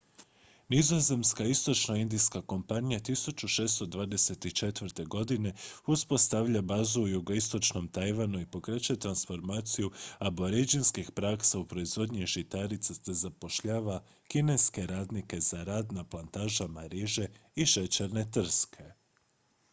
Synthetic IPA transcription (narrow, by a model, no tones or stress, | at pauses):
nizo̞ze̞mskaist̪o̞t͡ʃnoind̪ijskako̞mpanijat̪isut͡ʃuʃe̞ːst̪o̞d̪ʋaːd̪e̞se̞t̪it͡ʃe̞t̪ʋɾt̪e̞ɡo̞d̪ine̞uspo̞st̪aʋʎabaːzuːjuɡo̞ist̪o̞t͡ʃno̞mt̪ajʋanuipo̞kɾe̞t͡ɕuet̪ɾansfo̞ɾmaːt̪sijuabo̞ɾed͡ʒinskixpɾaksaupɾo̞izʋo̞d̪ɲiʒit̪aɾit̪sasezapo̞ʃʎaːʋa | kine̞ske̞ɾaːd̪nike̞zaɾaːd̪naplˠant̪aːʒamaɾeʒe̞iʃe̞t͡ɕeɾne̞t̪r̩skʰe̞